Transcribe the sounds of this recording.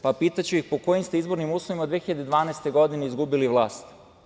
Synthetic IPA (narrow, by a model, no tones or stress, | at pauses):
papiːt̪at͡ɕuixpo̞ko̞jimst̪eizbo̞ɾnimuːslˠoʋimaod̪ʋexiʎad̪ed̪ʋaːnɛest̪e̞ɡo̞d̪ineizɡubiliʋlˠaːst̪